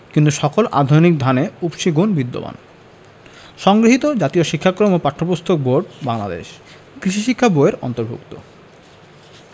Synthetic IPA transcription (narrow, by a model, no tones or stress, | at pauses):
kint̪uʃɔkolʔa̰d̪ʱojnik̚d̪ʱaneupʃiɡonbid̪ːo̰ba̰n | ʃɔŋɡɾoɦit̪od͡ʑat̪ioʃikʰːakɾomopaʈʰːopost̪ʰok̚boɾɖbaŋlad̪ḛʃ | kɾiʃiʃikʰːaboeɾɔ̰nt̪oɾbʱṵkt̪o̰